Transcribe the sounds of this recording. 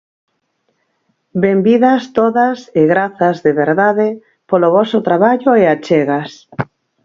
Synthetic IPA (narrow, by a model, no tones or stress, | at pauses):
bembiðast̪oðaseɣɾaθazðeβeɾðaðɪ | poloβɔsot̪ɾaβaʎoeat͡ʃeɣas